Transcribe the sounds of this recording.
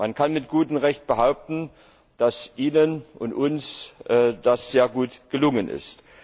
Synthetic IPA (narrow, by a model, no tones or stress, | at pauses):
mankʰanmɪtɡ̥uːtm̩ʁɛçt̚b̥əɦaʊp̚tn̩ | d̥asʔiːnənʔʊntʔʊnsʔɛːd̥asz̥eːɐɡuːtɡ̥əlʊŋənʔɪ̰st